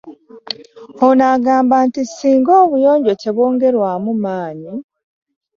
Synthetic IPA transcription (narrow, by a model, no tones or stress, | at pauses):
onaːɡaːmbaːntisiːŋɡoːβujo̞ːɲɟo̞ce̞βo̞ːŋɡe̞ɾwaːmumaːɲi